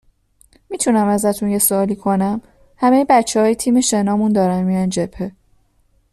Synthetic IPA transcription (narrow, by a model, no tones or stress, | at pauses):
miːt̪ʰunæmæzæt̪ʰunje̞soɒːliːkʰo̞næm | hæme̞jebæt͡ʃʰːehɒːjet̪ʰiːme̞ʃe̞nɒːmund̪ɒːɾænmiːjænd͡ʒe̞pʰe̞